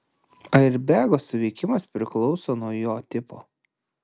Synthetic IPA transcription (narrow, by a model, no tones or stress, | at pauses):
ɐɪɾbʲæːɡoːsʊʋʲɛɪkʲɪmɐspʲɾʲɪklˠɒʊsoːnuɔjoːt̪ʲɪpoː